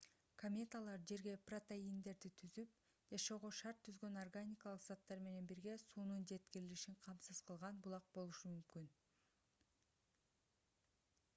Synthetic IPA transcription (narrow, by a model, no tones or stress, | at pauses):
kʰomʲe̞t̪alˠɑɾd͡ʒe̞ɾɡe̞prot̪eind̪e̞ɾd̪it̪ʰyzyp̚ | d͡ʒɑʃo̞ʁoʃɑɾt̪ʰːyzɡø̞norɡanʲikalˠɯqz̥at̪ːɑɾme̞ne̞nbiɾɡe̞suːnund͡ʒe̞t̪kiɾiliʃiɴqʰɑmsɯz̥qʰɯlˠʁɑnbulˠɑq̚bo̞lˠuʃɯmymkyn